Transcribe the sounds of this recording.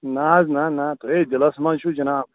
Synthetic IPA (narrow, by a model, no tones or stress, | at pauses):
naːznaːnaːt̪oed͡ʒɐlɐsmɐnʃʰud͡ʒɐnaːm